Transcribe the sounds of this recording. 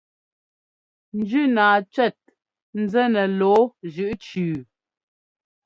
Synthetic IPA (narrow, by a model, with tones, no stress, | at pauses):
n̩˨d͡ʒʉ˦naː˨t͡ʃɥɛ˦˨t̚ | n̩˨˦zɛ˦nɛ˨lɔː˨˦ʒʉ˦˨ʔt͡ʃʉː˨